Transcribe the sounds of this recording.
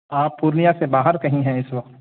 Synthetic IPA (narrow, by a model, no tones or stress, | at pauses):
aːpːuːɾnijasebaːɦəɾkɐɦĩɦɛ̃ɪswɐqt̪